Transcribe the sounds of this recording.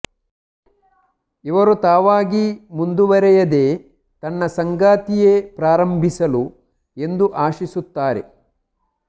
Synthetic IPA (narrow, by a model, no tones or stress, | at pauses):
iʋɐɾut̪aːʋaːɡimund̪uʋɐɾɛjɐd̪e̞ː | t̪ɐnːɐsɐŋɡaːt̪ijepɾaːɾɐmbʱisɐlu | e̞nd̪uʔaːʃisut̪ːaːɾe̞̰